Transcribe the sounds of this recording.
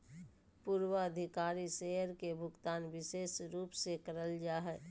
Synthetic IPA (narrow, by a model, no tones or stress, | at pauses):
puːɾwəəd̪ʱɪkaːɾiseəɾkebʱʊɡt̪aːnʋɪseːsɾuːpsekəɾəld͡ʒaːɦɛː